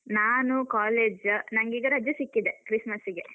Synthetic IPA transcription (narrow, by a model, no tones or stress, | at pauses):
naːnukaːleːd͡ʒnɐŋɡiːɡɐɾɐd͡ʒjɐsikːid̪ekɾismɐsiɡe